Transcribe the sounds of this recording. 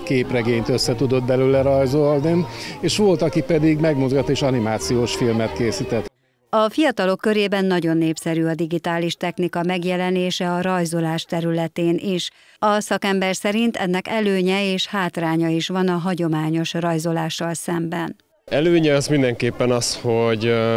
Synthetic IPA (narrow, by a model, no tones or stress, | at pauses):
keːprɛɡeːɲt̪ø̞sːɛt̪ud̪o̞d̪̚bɛlylɛɾɒjzolnineːʃʋo̞lt̪ɒkipɛd̪iɡmɛɡmuzɡɒt̪ːeːʃɒnimaːt̪sijoːʃfilmɛt̪keːsit̪ɛt̪ː | ɒfijɒt̪ɒlo̞kːø̞ɾeːbɛnːɒɟo̞nːeːpsɛɾyːɒd̪iɡit̪aːliʃt̪ɛxnikɒmɛɡjɛlɛneːʃɛɒɾɒjzo̞laːʃt̪ɛɾylɛt̪eːnʔiʃ | ɒsɒkɛmbɛrsɛɾint̪ɛ̰nːɛkɛløːɲɛeːʃhaːt̪raːɲɒiʃʋɒnɒɦɒɟo̞maːɲo̞ʃrɒjzo̞laːʃːɒlsɛmbɛn | ɛløːɲɛɒzmind̪ɛŋkeːpːɛnɒsho̞ɟ